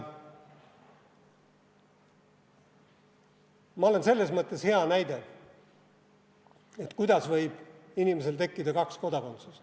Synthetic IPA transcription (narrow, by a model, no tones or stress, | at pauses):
mɑo̞lense̞lːe̞s̬mɤt̪ːˑesheɑnæjd̪̥e̞ | e̞t̪kujd̪ɑsvɤjb̥inimes̬e̞lt̪e̞kːid̪ɑkɑksko̞d̪ɑko̞nt̪sus